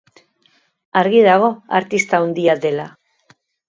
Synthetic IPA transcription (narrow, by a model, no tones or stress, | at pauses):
aɾɣiðaɣ̞o̞a̰ɾt̪ist̪awnd̪iad̪e̞la